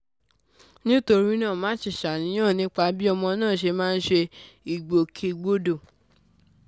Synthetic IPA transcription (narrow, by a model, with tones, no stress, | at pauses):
nĩ˦to˧ɾi˦nãː˦˨mãː˦ʃi˦˨ʃa˨nĩ˨˦j̃ãː˦˨nĩ˦k͡pa˧bi˦ɔ˧mɔ̃˧nãː˦˨ʃ̬e˧mãː˦˧n̩˦ʃe˧i˨ɡ͡bo˨kʰe˧ɡ͡bo˦do˦˨